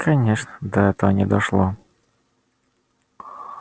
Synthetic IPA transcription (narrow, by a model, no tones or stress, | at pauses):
kʰanʲɛʂnɛd̪ɔɛt̪ɛɔnʲɛd̪ɔʂlˠɔ